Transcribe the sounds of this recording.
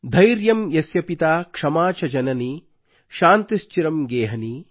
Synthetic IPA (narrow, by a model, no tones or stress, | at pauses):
d̪ʱɐjɾjɐmjɐsjɐpit̪aːkʂɐmaːt͡ʃɐd͡ʒɐnɐniː | ʃaːnt̪ist͡ʃiɾɐmɡeːɦɐniː